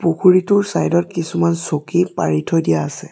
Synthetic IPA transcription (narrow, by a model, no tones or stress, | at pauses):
pukʰuɹitʊɹsajdɔt̚kisumansokipaɹitʰɔdijaːsɛ